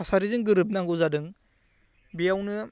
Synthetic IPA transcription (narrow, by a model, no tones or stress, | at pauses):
asaɾizɯŋɡɯɾɯp̚naŋɡuzadɯŋ | bijawnɯ